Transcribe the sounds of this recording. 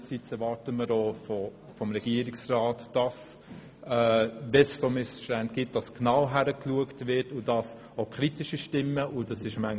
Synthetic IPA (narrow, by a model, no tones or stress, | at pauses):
əsit͡sɛɾvɑːɾtəməɾoːfɔ | fɔmɾɛɡ̥iəɾɪksrɑːtd̥ɑs | ɛdɛsːomɪsʃtænd̚ɡ̥ɪt̚d̥ɑsknawɦæɾəkluəktvɪɾtʊdɑs | okʰχɾitɪʃiʃtɪmːəʔʊdɑsɪʃmæŋ